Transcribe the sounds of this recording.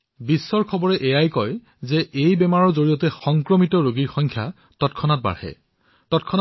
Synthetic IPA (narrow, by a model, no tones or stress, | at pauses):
bisːɔɹkʰɔbɔɹɛʔejajkɔj | zɛʔejbɛmaɹɔɹzoɹijɔtɛxɔŋkɹɔmitɔɹoɡiɹxɔjŋkʰja | tɔtkʰɔnat̚ba̰ɹhɛ̰ | tɔtkʰɔn